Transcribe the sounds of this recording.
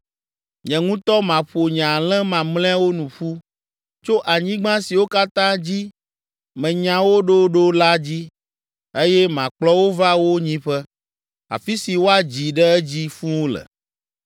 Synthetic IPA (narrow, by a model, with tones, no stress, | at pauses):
ɲɛ̃˨ŋũ˦t̪ɔ˦mã˨ɸo˨ɲã˨lɛ̃˦mã˨mlɛ̃˦a˦wo˦nũ˨ɸu˦ | t͡ʃo˦ʔa˨ɲĩ˦ɡ͡bã˦si˨wo˦ka˦t̪ã˦d͡ʑi˦ | mɛ̃˨ɲã˨wo˦ɖo˦ɖo˦la˦d͡ʑi˦ | e˦jɛ˦mã˨k͡plɔ˦wo˦va˦wo˦ɲĩ˦ɸɛ˦ | a̰˨fi˦si˨wo˦a˨d͡ʑi˨ɖɛ˦ɛ˦d͡ʑi˦fũ˦lɛ̰˨